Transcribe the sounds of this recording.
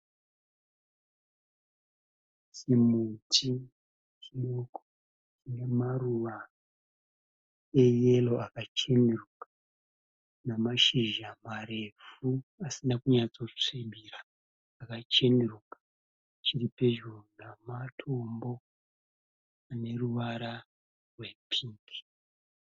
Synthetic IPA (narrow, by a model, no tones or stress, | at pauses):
simutʰi | t͡ʃinoko̥ | ine̞maruʋa | e̞je̞lo̞ʔakat͡ʃe̞nerukḁ | namaʃiʒamare̞fuasinakuɲat͡so̞t͡ʂiɓʱiraː | kat͡ʃe̞nerukḁ | t͡ʃiripe̞ʒonamatʰo̞mbo̞ | ane̞ruʋaɾa | rwe̞pʰiːki̥